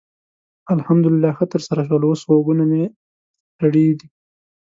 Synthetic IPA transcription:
alhamd̪ʊlɪlːɑxət̪əɾsaɾaʃ̬wəloswoɡuname | t̪aɽed̪i

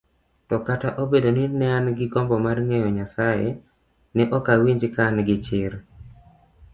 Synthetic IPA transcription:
tɔkataʔobedoninɛanɡɪɡɔmbɔmarŋejɔɲasaje | nɛʔɔkawiɲd͡ʒkanɡɪt͡ʃɪr

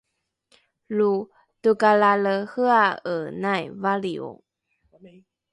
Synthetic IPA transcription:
lu | təkalaləhəaənajvalio̰

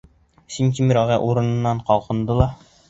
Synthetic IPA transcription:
siŋkʲimɾɒʁæʔuɾɤ̆nɤ̆nːɑɴqɒlˠqɤ̆nd̪ɤlˠɑ

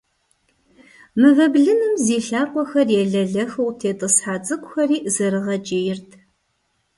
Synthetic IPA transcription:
mɨvɐbɮɨnɨmziːɬaːrqʷɔxɐrjɛɮɐɮɐxɨwtʰeːtʼɨsħaːt͡sʼɨkʷʼxʷɐriːzɐɾɨʁɐt͡ʃʼeːjɪrtʰ

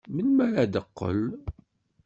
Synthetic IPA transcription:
mənmæɾæd̪əqːə̰l

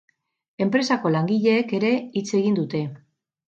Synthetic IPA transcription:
e̞mpɾe̞sako̞laŋɡiʎe̞ːke̞ɾe̞it͡se̞ɣind̪ut̪e̞

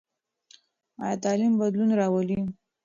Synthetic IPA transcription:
ɑ̰jat̪ɑlimbad̪lunɾɑwəli

